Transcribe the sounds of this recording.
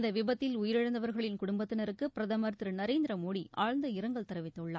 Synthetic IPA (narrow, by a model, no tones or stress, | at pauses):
nd̪ɐʋɪbɐt̪ːɪlʊjɪɾɪɻɐnd̪ɐʋɐɾɣɐɭɪnkʊɽʊmbɐt̪ːɪnɐɾɯkːɯpɪɾɐðɐmɐɾt̪ɪɾɯnɐɾeːnd̪ɪɾɐmoːɽiaːɻnd̪ɐɪɾɐŋɡɐɭt̪ɐɾɐʋɪt̪ːɐɯɭːa